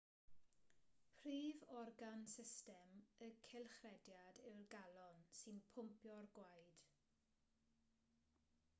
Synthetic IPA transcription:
pʰriːvɔrɡansɪstɛməkʰɪlˠχrɛdjadɪrɡalɔnsɨnpʰʊmpjɔrɡwajd̥

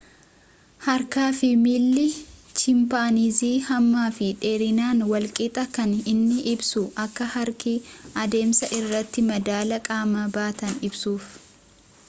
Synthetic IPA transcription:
hɐɾkaːfɪmiːlːɪt͡ʃɪmpaːniːziːhɐmːaːfɪᶑeːɾɪnaːnwɐlkʼɪt̪ʼɐkɐnɪnːɪʔɪbsʊʔɐkːɐhɐɾkiɐd̪e̞ːmsɐʔɪrːɐt̪ːɪmɐd̪aːlɐkʼaːmabaːt̪ɐnɪbsuːf

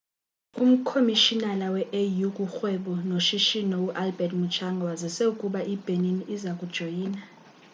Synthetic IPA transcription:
um̩kʰomiʃinalawɛʔejukʼuxwɛɓɔnoʃiʃinɔuʔalbɛtʼmut͡ʃʰaŋɡʱawazɛsɛukʼuɓaʔib̥ʱeniniʔizakʼud̥ʒ̥ʱojiːna

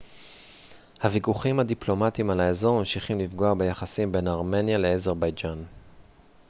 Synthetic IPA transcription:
havikuχimhad̪iplo̞mat̪imalaezo̞ʁmamʃiχimlifɡo̞abe̞jaχasimbe̞naʁme̞njale̞ezeʁbajd͡ʒan

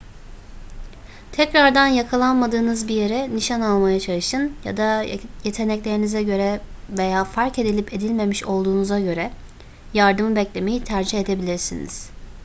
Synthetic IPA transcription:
t̪ʰɛcɾaɾd̪anjakʰalˠanmad̪ɯːnɯzbije̞ɾɛniʃanalˠmajat͡ʃʰalˠɯʃɯnja̰d̪aje̞t̪ʰe̞nɛclʲe̞ɾinizɛɟø̞ɾɛve̞jaːfaɾce̞d̪ilʲipe̞d̪ilʲme̞miʃo̞lˠd̪uːnuzaɟø̞ɾɛ | jaɾd̪ɯmɯbɛclʲe̞me̞jit̪ʰæɾd͡ʒihe̞d̪e̞bilʲiɾsinḭz̥

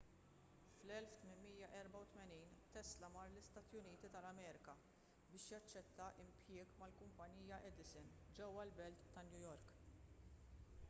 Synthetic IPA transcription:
flɛlft̪mɪnmiːjɐʔɛɾbɐwt̪mɛniːnt̪ɛslɐmɐːɾlɪst̪ɐːt̪jʊniːt̪it̪ɐlɐmɛːɾɪkɐ | bɪːʃjɐt͡ʃːɛt̪ːɐʔɪmpjɪːɡmɐlkʊmpɐniːjɐʔɛd̪ɪsɪnd͡ʒɛwːɐlbɛlt̪ːɐnjʊjɔɾk

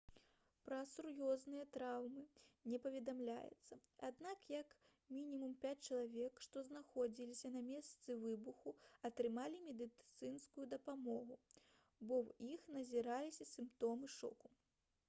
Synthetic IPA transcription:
pɾɐsuɾjɔznɨjɐt̪ɾawmɨnʲɛpɐvʲɛd̪amlʲa̰jɛ̰t̪sːɐad̪nakjɐk | mʲinʲimumpʲat͡sʲt͡ʃɐlˠavʲɛkʂt̪ɔznaxɔd͡zʲilʲisʲɐnɐmʲɛst̪sɨvɨbuxuɐt̪ɾɨmalʲimʲɛd̪ɨt̪sɨnskujud̪ɐpamɔɣu | bɔwixnɐzʲiɾalʲisʲɐsʲɨmpt̪ɔmɨʂɔ̰ku

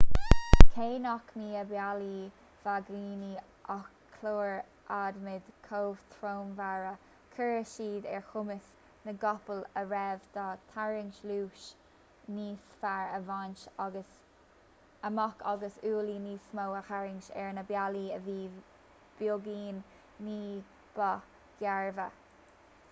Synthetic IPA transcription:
kʰeːnɔkmiːəbjali | v̥aɡɾiːni | ʔɔkʰloːɹ | ʔad̪mɪd̪̥kʰoːv̥t̪ʰɾoːmvaɹə | kʰəɹəʃiːd̪ɛ̰ɹxʊmɪs | nəɡɔpələɹɛvd̪̥ɔt̪ʰaɹɪŋʃluːʃ | niːsfaɹəvanʃəs | əmɔkʰɑɡəsuːliniːsmowəxaɹɪŋʃɛ̰ɹnəbjaliəviː | b̥joɡiːn | niː | b̥a | ɡ̥jaɹvə

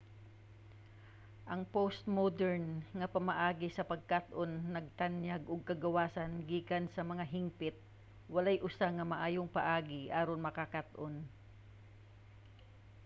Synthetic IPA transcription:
ʔɐŋpost̪̚mod̪ɛɹnŋɐpɐmɐʔaːɡɪsɐpɐɡ̚kat̪ʔonːɐɡ̚t̪anjaɡʔʊɡ̚kɐɡɐwaːsɐnɡiːkɐnsɐmɐŋaɦɪŋpɪt̪̚ | wɐlajʔʊsaŋɐmɐʔaːjoŋpɐʔaːɡɪʔaːɾonmɐkakat̪ʔon

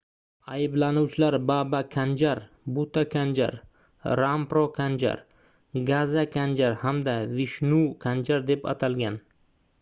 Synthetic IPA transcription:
ajɪblanuwt͡ʃʰɪlaɾbabakʲʰand͡ʒaɾ | but̪akʲʰand͡ʒa̰ɾ | ɾampɾokʰand͡ʒa̰ɾ | ɡazakʲʰand͡ʒaɾhamd̪avɪʃnukʰand͡ʒaɾd̪e̞pa̰t̪ʰalɡʲan

